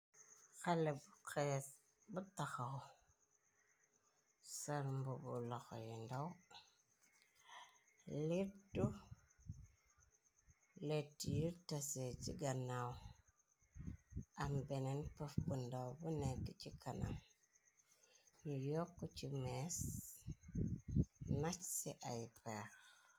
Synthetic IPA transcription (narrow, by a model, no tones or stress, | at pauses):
xalebuke | butaxaw | saɾmbubṵloxo̰jindaw | liɾtu | letːijiɾtaset͡ʃiɡanaw | ambenenpəfbundawbuneɡit͡ʃikʰana̰m | nijɔkːut͡ʃimes | nat͡ʃsiʔajpeɾ